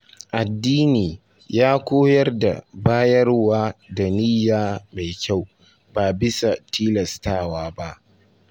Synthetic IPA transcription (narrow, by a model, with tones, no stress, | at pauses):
ʔa˨dːiː˦niː˨ | jaː˦kʷoː˦jɐ˦rda̰˨baː˦jɐ˦rwaː˦da˨niː˦jaː˦ma˨jkʲa˦˨w | baː˨bɪ˦sa˨tʰiː˦lɐ˨staː˦˨waː˦ba˦ʔ